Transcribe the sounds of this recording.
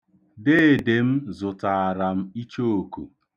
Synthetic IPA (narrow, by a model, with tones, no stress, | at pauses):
de˦e˨de˨m̩˦zʊ˨ta˨a˨ɾa˨m̩˦i˦t͡ʃo˦o˨kṵ˨